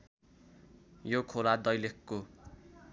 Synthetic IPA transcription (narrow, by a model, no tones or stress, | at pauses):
jokʰolad̪ʌjlekːo